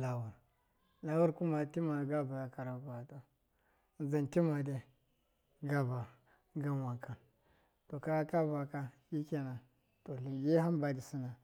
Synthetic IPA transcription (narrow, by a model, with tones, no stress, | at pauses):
la˨wu˨ɾ | la˦wu˦ɾku˦ma˦ti˦ma˨ɡa˦ba˨ja˨ka˨ɾa˨ɡa˨to˨ | za˨nti˦ma˨de˦ | ɡa˦ba˨ | ɡa˦nwa˨ŋka˨n | to˨ka˦ja˦ka˦ba˨ka˦ji˦ke˨na˨ | to˨li˨ji˦ɦa˦mba˨di˨si˦na˨